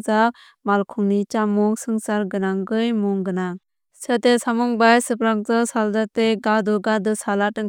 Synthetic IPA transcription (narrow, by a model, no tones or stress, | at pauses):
za | malkʰuŋnit͡ʃamuŋsɯŋsaɾɡɯnaŋɡɯjmuŋɡɯnaŋ | satesamuŋbajsɯpɾaŋ̚zasaldateɡadɔɡadɯsalatɯŋ